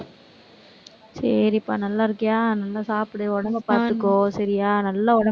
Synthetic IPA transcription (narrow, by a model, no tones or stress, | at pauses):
sɐɾiːpːa̰ːnɐlːaːɪɾɯkːɐjaːnɐlːãːsaːpɪɽɯɔɽɐŋɡɐpaːɾt̪ɯkːõːsɐɾɪjaːnɐlːɐɔɽɐ